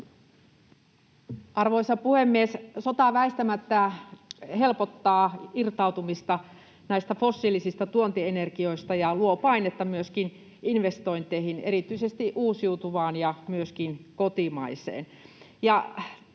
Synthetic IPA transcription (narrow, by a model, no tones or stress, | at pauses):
ʔɑrʋoisɑpuhemːiessot̪ɑʋæist̪æmæt̪ːæ | helpot̪ːɑːirt̪ɑut̪umist̪ɑ | næist̪æfosːilisist̪ɑt̪uont̪ienerkioist̪ɑjɑluopɑinet̪ːɑmyøskin | inʋest̪oint̪eihineɾit̪yisest̪iʔuːsjiut̪uʋɑːnjɑmyøskinkot̪imɑisḛːn | jɑ